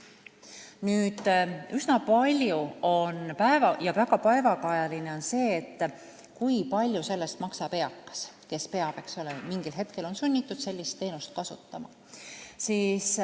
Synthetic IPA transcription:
nyːd̪̥ysnɑpɑlʲjuo̞npæevɑjɑvæɡ̥ɑpɑevɑkɑjɑline̞o̞nse̞ːt̪ˑː | kujpɑlʲjuse̞lːe̞st̪mɑksɑpe̞ɑkːɑ̥s | ke̞spe̞ɑvekso̞lemiŋɡ̥ilɦe̞t̪ke̞lo̞nsynʲːit̪ːˑud̪̥se̞lʲːist̪ːe̞ːnust̪̚kɑsut̪ːˑɑmɑ̰ | siːs

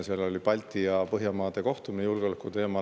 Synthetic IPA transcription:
seɑlo̞lʲipɑlʲt̪ːˑiɑpɤɦjɑmɑːd̪̥e̞ko̞ht̪uminejulɡ̥eo̞lekːˑut̪e̞ːmɑ

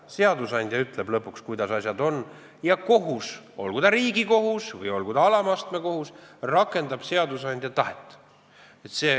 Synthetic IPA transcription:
se̞ɑd̪usɑnʲd̪̥ʲjɑyt̪ːˑleb̥lɤpːˑukskujd̪̥ɑsɑsʲjɑd̪o̞n | jɑko̞ɦuso̞̰lɡ̥ud̪̥ɑɾiːɡiko̞ɦusvɤ̰jo̞lɡ̥ud̪̥ɑɑlɑmɑst̪me̞ko̞husrɑkːˑe̞nd̪̥ɑb̥se̞ɑd̪usɑnʲd̪̥ʲjɑt̪ɑɦet̪ːˑ | et̪se̞ː

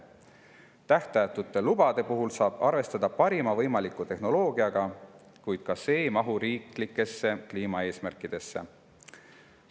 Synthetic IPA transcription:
t̪æht̪ɑjt̪ːut̪ːˑe̞lub̥ɑd̪̥e̞puɦulsɑːb̥ɑrve̞st̪ɑd̪̥ɑpɑɾimɑvɤjmɑlikːˑut̪e̞hno̞lo̞ːɡ̥iɑɡ̥ɑ | kujd̪̥̚kɑse̞ːmɑɦuɾiːklikːˑe̞sːe̞kliːmɑe̞ːsmærkˑid̪̥e̞sːe̞̰

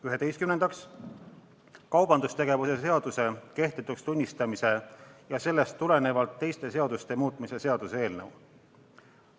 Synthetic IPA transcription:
yɦe̞t̪e̞jst̪kymnend̪ɑks | kɑwb̥ɑnd̪ust̪e̞ɡ̥e̞vuse̞se̞ɑd̪̥use̞ke̞ht̪it̪ːˑukst̪unʲːist̪ɑmise̞jɑse̞lːe̞st̪ːule̞ne̞vɑlt̪ːe̞jst̪e̞se̞ɑd̪̥ust̪e̞muːt̪ˑmise̞se̞ɑd̪̥usee̞ːlnəw

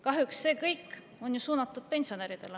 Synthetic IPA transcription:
kɑɦjuksːe̞ːkɤjkː | o̞njusuːnɑt̪ːˑud̪̥̚pe̞nʲsio̞neːɾid̪̥e̞̰l

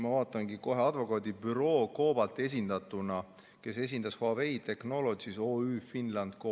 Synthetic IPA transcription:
mɑvɑːt̪ːˑɑŋɡiko̞ɦe̞ɑd̪̥vo̞kɑːd̪ibyɾo̞ːko̞ːb̥ɑlt̪ˑːe̞s̬ʲind̪̥ɑt̪ːˑunɑ | ke̞se̞s̬ʲind̪̥ɑshoɑve̞jt̪e̞kno̞lo̞d̪siso̞ːyːfinlɑnd̪̥ko

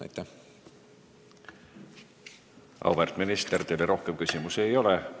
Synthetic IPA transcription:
æ̰jt̪ːæh | ɑ̰wvert̪minist̪ert̪eleɾo̞hkemkysʲimuse̞jo̞le

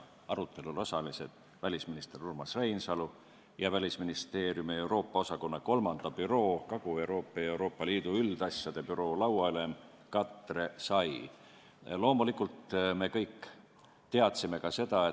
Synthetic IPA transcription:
ɑɾut̪ʰːˑe̞lulo̞sɑlise̞d̪̥ | vælʲisminist̪e̞rurmɑsrejnsɑlu | jɑvælʲisminist̪e̞ːrjumie̞wɾo̞ːpːˑɑo̞sɑko̞nːɑko̞lmɑnd̪̥ɑpyɾo̞ːkɑɡ̥ue̞uɾo̞ːpːˑɑewɾo̞ːpːˑɑliːd̪uyld̪̥ɑsjɑd̪̥e̞pyɾo̞ːlɑwɑyle̞m | kɑt̪ːˑre̞sɑj | lo̞ːmulikːˑult̪me̞kɤ̞jk | t̪e̞ɑt̪sime̞kɑse̞d̪ɑe

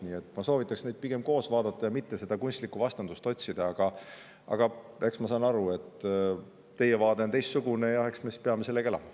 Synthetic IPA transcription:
niːe̞t̪ːˑmɑso̞ːvit̪ːˑɑksned̪̚piɡ̥e̞mko̞ːsvɑːd̪̥ɑt̪ːˑɑjɑmit̪ːe̞se̞d̪ɑkunʲst̪likːˑuvɑst̪ɑnd̪̥ust̪o̞tʲsid̪̥ɑɑɡ̥ɑ | ɑ̰ɡ̥ɑe̞ksmɑsɑjnɑɾue̞t̪ːˑ | t̪ːe̞jevɑːd̪e̞ot̪e̞jst̪suɡ̥une̞jɑheksmespeɑmese̞lːekelɑ̰mɑ

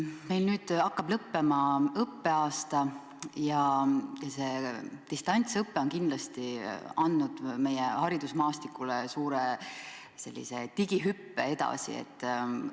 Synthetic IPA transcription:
me̞jlnyːd̪̥ɑkːˑɑb̥lɤpːe̞mɑɤpːe̞ɑːst̪ɑ | jɑjɑse̞t̪ist̪ɑnʲt̪sɤpːeonkind̪lɑst̪iɑnːud̪̥me̞jehɑɾid̪̥usmɑːst̪ikːˑulesuːɾe | se̞̰lʲːḭse̞t̪iɡ̥iɦypːee̞d̪ɑ̰sḭḛt̪ːˑ

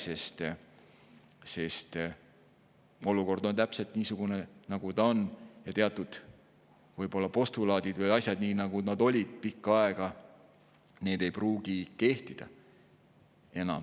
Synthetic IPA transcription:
se̞st̪ | se̞st̪ | o̞luko̞rd̪̥o̞nt̪æpselt̪ˑniːsuɡ̥unenɑɡ̥ut̪ɑonjɑt̪eɑt̪ːˑud̪̥ | vɯjbo̞lːɑpo̞st̪ulɑːd̪̥id̪vɯjɑsʲjɑd̪niːnɑɡ̥unɑd̪o̞lʲid̪̥̚pikːɑe̞ɡ̥ɑ | ne̞ːd̪̥e̞jpruːɡ̥ike̞ht̪id̪̥ɑ̰ | e̞nɑ̰m

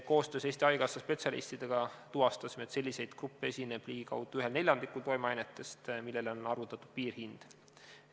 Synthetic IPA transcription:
ko̞ːst̪ø̞ːse̞ːst̪ʲiɑjɡ̥ɑsɑspe̞t̪ʲsʲɑlḭst̪id̪̥eɡ̥ɑt̪uɦɑst̪ɑsime̞t̪se̞lʲːise̞jd̪̥krupːee̞sʲine̞b̥liːɡ̥ikɑ̰wd̪̥uyɦe̞lne̞ljɑnd̪ikult̪o̞jmeɑjnet̪ːˑe̞st̪milːe̞leo̞nɑrvut̪ːˑɑt̪ːˑud̥̪̚piːrhind̪̥

